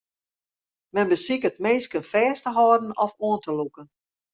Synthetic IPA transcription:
mɛnbəsikət̚meːnskənfɛːstəɦɔːdən̩ɔfoəntəlukən

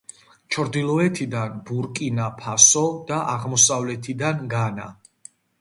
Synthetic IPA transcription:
t͡ʃʰɾd̪ilˠɔɛt̪ʰid̪anbuɾkʼinapʰasɔd̪̥aʔaʁmɔsavlɛt̪ʰid̪anɡana̰

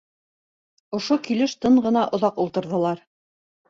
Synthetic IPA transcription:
ŏʃokilɘʃt̪ɤɴɢɤ̆nɑʔŏðɑqulˠt̪ɤ̆ɾðɤ̆lˠɑɾ

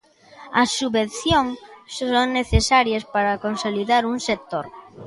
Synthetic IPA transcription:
ɐsːuβenθjoŋsoŋneθesaɾjɐspaɾɐkonsoliðaɾuŋsek̚t̪oɾ

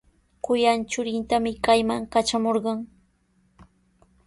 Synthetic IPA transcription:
kʊjant͡ʃʊɾɪnt̪amɪkajmaŋkat͡ʃamoɾɢɑŋ

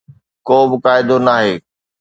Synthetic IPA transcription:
koːbɪkaːɪd̪onaːɦeː

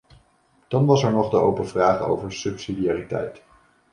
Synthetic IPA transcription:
d̥ɑnʋɑsɛɹnɔχdəowpənvraːχo̰wvəɹsɵpsidijaːritɛ̰jt

